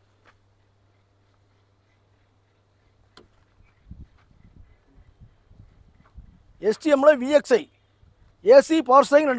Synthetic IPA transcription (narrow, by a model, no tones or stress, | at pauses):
ɛsʈiɛmlɐʋiːeksɐɪ | eːsipaːɾsɐɪŋɾɐɳɖ